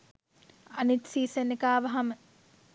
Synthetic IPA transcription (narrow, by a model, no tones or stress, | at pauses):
anit̪siːsənekaːʋaɦamə